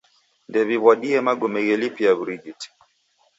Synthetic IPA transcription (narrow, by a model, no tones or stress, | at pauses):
ndɛβiβwaɗiɛmaɡɔmɛɣɛlipiabɾid͡ʒiti̥